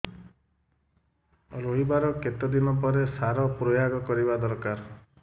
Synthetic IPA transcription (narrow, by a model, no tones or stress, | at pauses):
ɾoɦibaɾɔket̪ɔd̪inɔpɔɾesaɾɔpɾojaɡɔkɔɾibad̪ɔɾkaɾ